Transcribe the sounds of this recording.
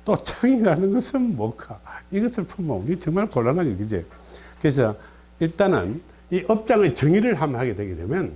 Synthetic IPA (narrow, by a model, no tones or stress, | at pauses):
t͈ot͡ɕʰaŋiɾanɯnɡʌsʰɯnmwʌkʰaiɡʌsʰɯɭpʰumanit͡ɕʌŋmaɭkoɭːanɦaɡekɯd͡ʑḛ | kɯes̬ʰʌ | iɭt͈anɯ̰n | iʔʌp̚t͡ɕ͈aŋet͡ɕɯŋiɾɯɭɦamɦaɡedwe̞ɡedwe̞mjʌn